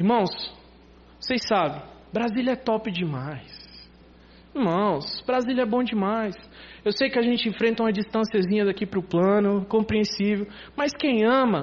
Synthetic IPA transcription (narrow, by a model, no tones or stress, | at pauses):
ihmɐ̃w̃s | sejsabẽj̃bɾazilɐɛt̪ɔpɪd͡ʒɪmajs | ihmɐ̃w̃sbɾazilɐɛbõd͡ʒɪmajs | ewsejkɪaʒẽnt͡ʃɪẽfɾẽnt̪ɐũmɐd͡ʒist̪ɐ̃siɐzĩɲɐd̪akipɾʊplɐ̃nʊkõpɾiẽsivew | mɐjskẽj̃ɐ̃mɐ